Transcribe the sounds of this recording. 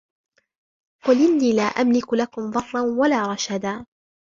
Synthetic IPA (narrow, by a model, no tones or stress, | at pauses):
qʊlʔɪnːiːlaːʔamlɪklakʊmðˤɑrˤːɑnwalaːɾˤɑʃad̪aː